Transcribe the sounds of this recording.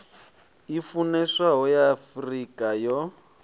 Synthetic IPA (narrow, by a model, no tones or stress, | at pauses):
ifunɛʂaɦɔjaːfrikʼajɔ